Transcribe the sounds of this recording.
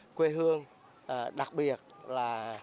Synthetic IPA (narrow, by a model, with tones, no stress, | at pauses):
kwe˧ɦɨ˧əŋ | ɗa˨˩k̚ɓi˨˩ət̚laː˨˩